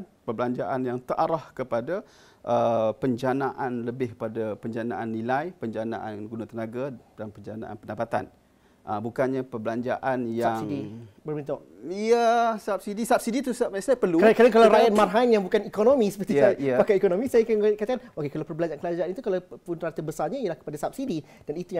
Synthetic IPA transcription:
pəbəlaɲd͡ʒaʔanjaŋt̪əʔaɾahkəpada | ʔəpəɲd͡ʒanaʔanləbɪhpadapəɲd͡ʒana̰ʔanːilajpəɲd͡ʒana̰ʔanɡunat̪ənãɡad̥anpəɲd͡ʒana̰ʔa̰npəndapat̪a̰n | ʔəbukanɲapəbəlaɲd͡ʒa̰ʔanjasiŋdibərbint̪oʔ | ijəsap̚sidisab̚sidit̪usmasajapərlukkɾadaŋkalawɾajat̪̚marɦajnjaŋbukanikonomĩsə̥pət̪iaiəpakajikonõmisajakankat̪akanokekalawpərbəlaɲd͡ʒankəlad͡ʒaanit̪ukalapʊnrat̪əbəsaɲaijəlahkəpadasap̚sidi | d̥anit̪ujã

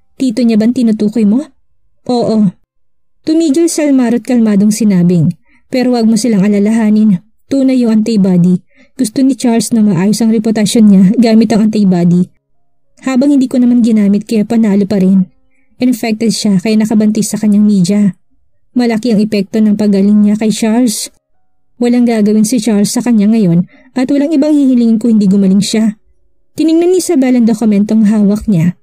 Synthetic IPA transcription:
t̪iːt̪oɲabɐŋt̪ɪnʊt̪uːkojmo̞ | ʔoːʔo | t̪ʊmiːɡɐlsɐlmaːɾot̪̚kɐlmaːd̪oŋsɪnaːbɪŋ | pɛːɾowɐɡ̚mosɪlaŋɐlɐlɐɦaːnɪn | t̪uːnɐjːʊŋʔɐnt̪ɐjbaːd̪i | ɡ̥ʊst̪onɪt͡ʃaɾlsnɐmɐʔaːjosɐŋɾɛpot̪ɐʃonɲaɡaːmɪt̪ɐŋɐnt̪ɐjbaːd̪i | haːbɐŋhɪnd̪iːko̞nɐmanɡɪnaːmɪt̪̚kɐjapɐnaːlopɐɾɛn | ʔɪnfɛk̚t̪ɛd̪̚ʃakɐjanɐkɐbɐnt̪ɪsɐkɐɲːaŋmiːd͡ʒɐ | mɐlɐkiɐŋɛpɛk̚t̪o̞nɐŋpɐɡɐlɪŋɲakɐjt͡ʃals | wɐlaŋɡaːɡɐwɪnsɪt͡ʃaɾlsːɐkɐɲːaŋɐjo̞n | ʔɐt̪wɐlaŋɪbaŋhihɪliːŋɪnkohɪnd̪iɡʊmɐlɪŋʃa | t̪ɪnɪŋnonːɪsɐbɛlɐŋd̪okʊmɛnt̪oŋɦaːwɐk̚ɲa

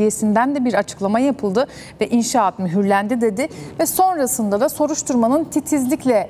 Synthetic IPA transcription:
je̞sind̪ænd̪ɛbiɾat͡ʃʰɯ̥klˠamajapʰɯlˠd̪ɯ | vɛʔinʃaːt̪myɦyɾlʲænd̪id̪e̞d̪ɪvɛso̞nɾasɯnd̪ad̪aso̞ɾuʃt̪ʰuɾmanɯnt̪ʰit̪ʰizlʲiclʲɛ

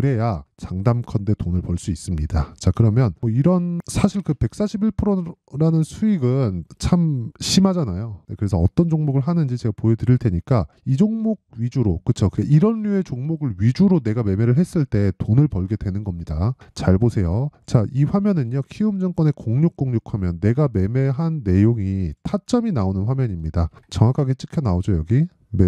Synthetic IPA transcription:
kɯɾe̞jat͡ɕaŋdamkʰʌnde̞tonɯɭpʌɭs͈uis͈ɯmɲidat͡ɕakɯɾʌmjʌnmʌiɾʌnsʰaɕʰiɭkɯpe̞k̚s͈aɕʰibiɭpʰɯɾoɾanɯnsʰuiɡɯnt͡ɕʰamɕʰimad͡ʑanajonekɯɾe̞sʰʌːt͈ʌnd͡ʑoŋmoɡɯɭɦanɯnd͡ʑit͡ɕe̞ɡapojedɯɾiɭtʰe̞ɲik͈aid͡ʑoŋmoɡ̚ɥid͡ʑuɾokɯt͡ɕʰokɯɡeʔiɾʌnːue̞t͡ɕoŋmoɡɯɭɥid͡ʑuɾone̞ɡame̞me̞ɾɯɭɦe̞s͈ɯɭt͈e̞tonɯɭpʌɭɡe̞dwe̞nɯnɡʌmɲidat͡ɕaɭbosʰe̞jot͡ɕaiɸwamjʌnɯnjokʰiɯmd͡ʑʌŋk͈wʌne̞koŋɲok̚k͈oŋɲokʰamjʌnːe̞ɡame̞me̞ɦanːe̞joŋitʰat͡ɕ͈ʌminaonɯnɸwamjʌɲimɲidat͡ɕʌŋwakʰaɡe̞t͡ɕ͈ʰɯkʰjʌnaod͡ʑojʌɡi | me

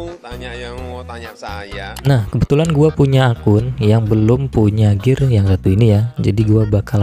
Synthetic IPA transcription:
nahkəbət̪ulanɡuapuɲaːkʊnjaŋbəlʊmpuɲaɡɪrjaŋsat̪uinijad͡ʒa̰diɡuabakal

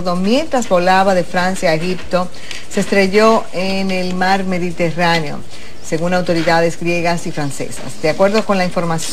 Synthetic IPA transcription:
ðo̞mje̞nt̪ɾazbo̞laβaðe̞fɾansjaeɣip̚t̪o̞ | se̞st̪ɾe̞ʝo̞ | enelmaɾme̞ðit̪eranjo̞̰ | se̞ɣunawt̪o̞ɾiðaðe̞zɡɾje̞ɣasifɾanse̞̰sa̰sd̪eakwe̞ɾðo̞ko̞nlaiɱfo̞ɾmas

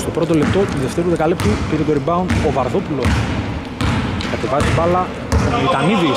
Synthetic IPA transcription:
st̪opɾo̞t̪o̞lep̚t̪o̞tiðeft̪eɾuðekalept̪ipiɾet̪oɾibɐonovɐɾðopulo̞s | kɐt̪evɐzet̪ibɐlɐ | t̪vit̪ɐniði

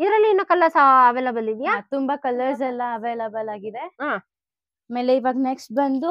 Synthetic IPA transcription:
id̪ɐɾɐlːiinːuːkɐlɐɾsaːʋeːlabɐlid̪ijaːt̪umbɐkɐlːɐɾsɐlːɐːʋeːlɐbɐlaːɡid̪e̞ɦaː | meːleiʋaːɡneksʈ̚bɐnd̪u

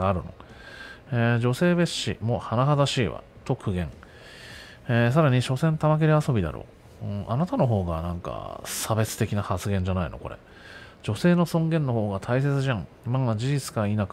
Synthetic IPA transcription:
aɾɯ̟no̰ | eːd͡ʑo̞se̞ːbe̞ɕːḭmo̞hanaɦad̪aɕiːβa̰ | t̪o̞kɯ̟ɡẽ̞ŋ | eːs̬aɾaɲ̟iɕo̞sẽnt̪amak̬eɾeaso̞bʲid̪a̰ɾo̰ː | ɯ̃anat̪ano̞ɦo̞ːɡa̰nãŋka̰sabe̞t͡sɨ̥t̪e̞kʲinahat͡sɨɡẽ̞ɲ̟d͡ʑanaḭno̞̰ko̞̰ɾḛ | d͡ʑo̞se̞ːno̞sõ̞ŋɡẽ̞nːo̞ɦo̞ːɡat̪ʰais̬e̞t͡sɨʑãŋ | imamand͡ʑiʑit͡sɨ̥kainak

